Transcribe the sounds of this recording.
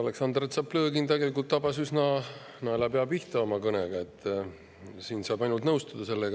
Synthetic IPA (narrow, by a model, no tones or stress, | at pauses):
ɑle̞ksɑnd̪ret̪sɑpːlø̞ːɡint̪eɡe̞likːˑult̪ːɑbɑsysnɑ | nɑelɑpeɑb̥iht̪ɑo̞mɑkɤneɡ̥ɑe̞t̪ːˑ | siːnsɑːb̥ɑjnult̪nɤwst̪ud̪̥ɑse̞lːeɡ